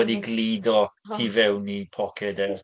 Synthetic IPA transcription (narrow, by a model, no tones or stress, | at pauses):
ɛdiɡliːdɔtʰivɛwnipʰɔkʰɛdɛw